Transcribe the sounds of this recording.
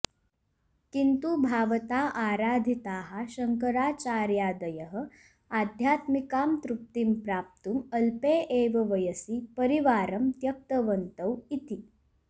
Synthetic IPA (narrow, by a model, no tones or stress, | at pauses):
kint̪ubʱaːʋət̪aːʔaːɾaːd̪ʱit̪aːɦaɕɐŋkəɾaːt͡ʃaːɾjaːd̪ɐjəɦə̆ | ad̪ʱjaːt̪mikaːmt̪ɾup̚t̪impɾaːp̚t̪umɐlpeʔeːʋɐʋɐjəsipəɾiʋaːɾɐmt̪jɐk̚t̪əʋənt̪əwit̪i